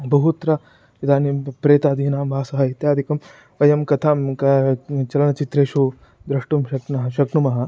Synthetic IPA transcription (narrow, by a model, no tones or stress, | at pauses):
bʱɐɦut̪ɾɐ | id̪ʱaːnipɾeːt̪aːd̪iːnaːmbʱaːsɐɦɐit̪jaːd̪ʱikɐm | ʋɐjɐmkɐt̪ʰaːmkɐt͡ʃɐlɐnɐt͡ʃit̪ɾeːʃu | d̪ɾɐʂʈumʃɐknɐɦɐʃɐkɳumɐɦɐ̆